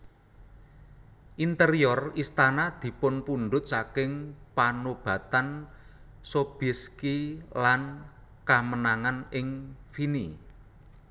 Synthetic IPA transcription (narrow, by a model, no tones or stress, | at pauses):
ʔint̪əɾijɔrist̪anad̪̥i̤pʊnpunɖʊt̪̚sakɪŋpanob̥ä̤t̪an | sob̥iskilan | kamənaŋanɪŋfini